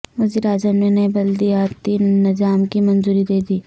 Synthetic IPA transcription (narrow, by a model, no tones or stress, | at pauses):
ʋɐziːɾaːzəmnenɐibɐld̪iaːt̪inɐd͡ʒaːmkimɐnzuːɾid̪eːd̪iː